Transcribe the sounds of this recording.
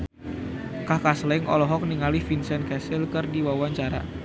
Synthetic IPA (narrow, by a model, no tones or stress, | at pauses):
kahkaslɪŋʔɔ̰lɔɦɔk̚niŋalifinsɛnkɛsɪlkərdiwawaɲt͡ʃaɾa̰